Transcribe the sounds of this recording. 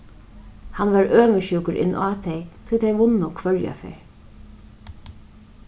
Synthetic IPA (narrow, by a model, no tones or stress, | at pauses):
hanʋaɹøːməʃuːkəɾʔɪ̰nːʔaːt̪ʰɛjt̪ʰʊjt̪ʰejʋʊnːʊkʰvœɹja̰fɛ̰ːɹ